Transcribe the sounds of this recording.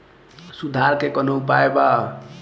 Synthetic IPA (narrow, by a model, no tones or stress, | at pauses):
sud̪ʱaɾkekʌnopaeba